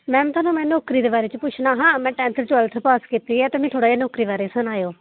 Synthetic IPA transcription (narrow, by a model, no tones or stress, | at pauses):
mɛ̃ːt̪ʰaːnũːmɛ̃ːnoːkɾiːd̪eːbaːɾeːt͡ʃəpʊt͡ʃʰnaːɦãːmɛ̃ːʈɛ̃ːnt̪ʰəɾt͡ʃɛːlt̪ʰəpaːskiːt̪iːɦɛːt̪eːmɛ̃ːt̪ʰoːɽaːiːnoːkɾiːbaːɾeːsʊnaːjoː